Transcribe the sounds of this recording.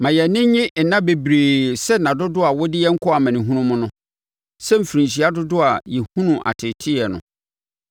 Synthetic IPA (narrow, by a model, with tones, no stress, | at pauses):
mã˨jɛ˨nɪ̃˦ɲɪ̃˦ʔn̩˨nã˦be˨bɾeː˨sɛ˦nã˨dʊ˦dʊ˦a˨wɔ˦dɪ˦jɛ˦ŋ̩˦kʰɔ˦a˨mɛ̃˨nĩ˨ɦũ˦nʊ̃˦mʊ̃˦nʊ̃˦ | sɛ˦m̩˨fɾĩ˨ɕ̬i˨a˦dʊ˦dʊ˦a˨jɛ˨hũ˦nũ˨ʔa̰˨tʰɪ˨tʰɪ˦ɛ˨nʊ̰̃˨